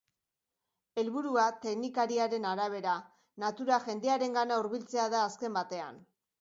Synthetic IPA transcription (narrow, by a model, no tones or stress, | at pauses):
e̞lβuɾuat̪e̞ɡnikaɾiaɾe̞naɾaβ̞e̞ɾa | nat̪uɾaʝe̞nd̪e̞aɾe̞ŋɡanauɾβilt͡se̞aðaːske̞mbat̪e̞a̰n